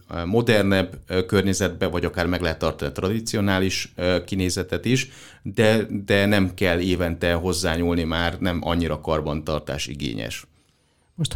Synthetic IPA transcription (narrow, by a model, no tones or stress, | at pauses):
mo̞d̪ɛrnɛbːkørɲɛzɛd̪̚bɛvɒɟɒkaːrmɛɡlɛɦɛt̪ːɒrt̪ɒnit̪rɒd̪it̪sio̞naːliʃkineːzɛt̪ɛt̪iʃ | d̪ɛd̪ɛnɛmkɛlːeːvɛnt̪ɛɦo̞zːaːɲuːlnimaːrnɛmʔɒ̰ɲːiɾɒkɒrbɒnt̪ɒrt̪a̰ːʃḭɡḛːɲɛ̰ʃ | moʃt̪